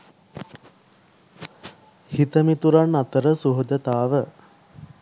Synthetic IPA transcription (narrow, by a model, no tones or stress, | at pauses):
hit̪əmit̪uɾanːat̪əɾəsuɦud͡ʒət̪aːʋə